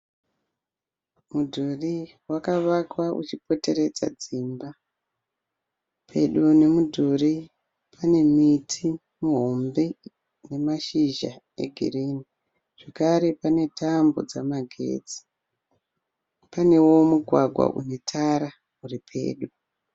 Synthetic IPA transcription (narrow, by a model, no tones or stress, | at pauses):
mudʱuri | wakaʋakwaʔṵt͡ʃipo̞te̞ɾe̞d͡za̰d͡ziːmba | pʰe̞̰ɗune̞mudʱuri | pʰane̞mitʰi | muɦo̞mbe | ne̞maʃiʒa̰ | e̞̰ɡʱḭrini | ʐ̥ekaɾe̞pane̞tʰambod͡zamaɡʱe̞̰ːd͡zi̥ | pane̞wo̞muɡʱwaɡʱwa̰ʔṵne̞tʰaɾa | uripʰe̞̰ːɗu